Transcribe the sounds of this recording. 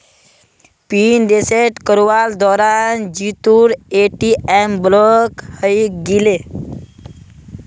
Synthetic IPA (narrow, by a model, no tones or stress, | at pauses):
pinɖ̪eseʈkəɾuʋald̪ɔɾand͡ʑit̪uːɾeʈiɛmblɔkhəjɡile